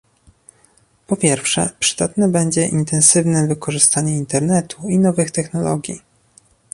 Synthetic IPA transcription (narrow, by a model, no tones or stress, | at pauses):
pɔpʲjɛɾfʂɛ̰pʂɘ̥d̪̥at̪nɛbɛɲd͡ʑɛʔint̪ɛnsɘvnɛvɘkɔʐɘst̪aɲɛint̪ɛɾnɛt̪ʰuinɔvɘxt̪ɛxnɔlɔ̰ɡʲjḭ